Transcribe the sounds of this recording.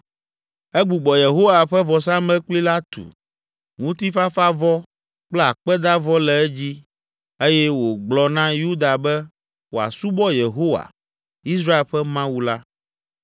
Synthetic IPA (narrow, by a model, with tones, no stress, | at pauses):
ɛ˦ɡ͡bu˨ɡ͡bɔ˨je˨ɦo˦wa˨ɸɛ˦vɔ˨sa˦mɛ˦k͡pli˦la˦t̪ṵ˨ | ŋũ˦t̪i˦fa˦fa˦vɔ˦ | k͡plɛ˦a˨k͡pɛ˦d̪a˦vɔ˦lɛ˨ɛ˦d͡ʑi˦ | e˦jɛ˦wo˨ɡ͡blɔ˨nã˦ju˦d̪a˨bɛ˦ | wo˨a̰˨su˦bɔ˦je˨ɦo˦wa̰˨ | i˦s̬ɾa˦e˨lɸɛ˦mã˦wu˦la˦